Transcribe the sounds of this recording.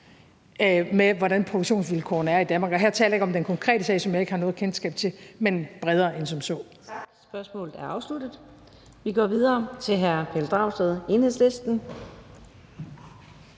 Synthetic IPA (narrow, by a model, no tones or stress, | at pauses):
meʋɒɾænpʰʁod̥uɡ̥ɕo̝̰ːnsʋilkʰɔ̰ːnæɐid̥ænmɑ̈ɡ̥ɒɦæɐ̰t͡sʰɛ̰ːlɐjeɡɒ̽md̥enkʰɒ̽ŋkʰʁɛ̰ːd̥əsɛ̰ɪsɒmjɑ̈ɪe̝ɡ̥hɑ̈nɔ̽ːðˠkʰensɡ̥ɛ̰ːb̥̚t͡sʰe̝lmenb̥ʁɛð̞ˠɐːensɒ̽msɔ̽ː | sb̥ɶɐsmɔ̰̽ːlð̩ˠæɐɑ̈ʊslud̥ð̩ˠ | ʋiɡ̥ɒ̰ːʋið̞ˠɐːt͡sʰe̝ɦæɐpʰeld̥ʁɑ̈ʊsd̥eð̞ˠe̝nhe̝̰slesd̥n̩